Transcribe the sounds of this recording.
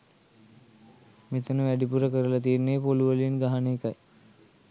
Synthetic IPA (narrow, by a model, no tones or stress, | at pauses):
met̪ənəʋæɖipuɾəkəɾəlat̪̬iːrneːpoluʋəlinɡaɦaneːkaj